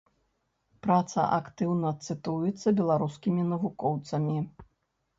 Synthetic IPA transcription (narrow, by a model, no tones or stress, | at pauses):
pɾat̪sɐ̰ʔakt̪ɨwnɐt̪sɨt̪ujɛt̪sːɐbʲɛlˠaɾuskʲimʲinɐvukɔwt̪sɐmʲi